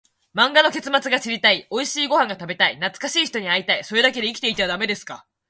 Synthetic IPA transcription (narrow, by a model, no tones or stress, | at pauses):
mãŋɡano̞ke̞t͡sɨmat͡sɨɡaɕiɾʲit̪aio̞iɕiːɡo̞hãŋɡat̪abe̞t̪ainat͡sɨ̥kaɕiːçi̥t̪o̞ɲ̟iait̪aiso̞ɾe̞d̪ake̞d̪e̞ikʲt̪e̞it̪eβad̪ame̞d̪e̞sɨ̥ka̰